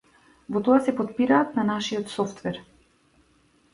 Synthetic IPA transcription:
vɔt̪ɔasɛpɔt̪̚piɾaːt̪nanaʃiɔt̪sɔft̪vɛɾ

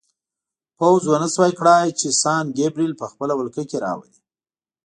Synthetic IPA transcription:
pawzwanəswɑjkɽɑjt͡ʃesɑnɡebɾilpəxpəlawəlkəkeɾɑ̰wa̰li

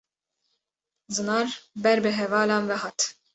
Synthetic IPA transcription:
zɨnɑːɾbɛɾbɨɦɛvɑːlɑːnvɛɦɑt̪

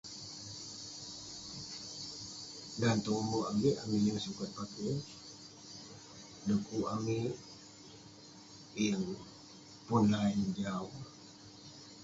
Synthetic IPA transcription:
dant̪ɔŋumoaɡeʔamijəŋsukat̪̚pake | ləkuʔami | jəŋ | punlaind͡ʒaw

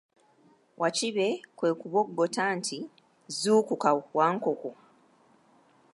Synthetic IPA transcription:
wʔat͡ʃiβe̞kwe̞ːkuβoɡːo̞taːntʰi | zuːkukawaːŋkoko

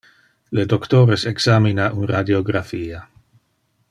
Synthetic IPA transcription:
led̪okt̪oːɾeseksaminaʔunrad̪joɡɾafiːa

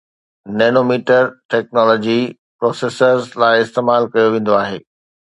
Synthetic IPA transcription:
neːnomiːʈəɾʈɛk̚nɔːlɔːd͡ʑi | pɾɔːseːsəɾzlaːɪɪst̪eːmaːlkɐjoʋẽːn̆d̪oaːɦeː

